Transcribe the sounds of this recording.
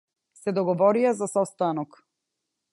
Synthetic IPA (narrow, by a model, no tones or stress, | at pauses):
sɛd̪ɔɡɔvɔɾiazasɔst̪anɔk